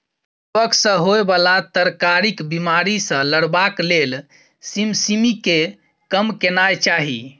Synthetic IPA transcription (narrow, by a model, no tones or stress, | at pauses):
əksə̃ɦoebalat̪əɾkaɾikbimaɾisə̃ləɽbaklel | simsimike | kəmkenajt͡ʃaɦi